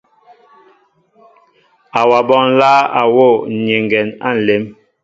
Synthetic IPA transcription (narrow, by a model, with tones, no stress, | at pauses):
a˨wa˨bɔ˦˨ŋ˦laː˦a˨wo˦˨ɲe˨ŋɡɛ˨na̰˦˨n̩˨le˨˦m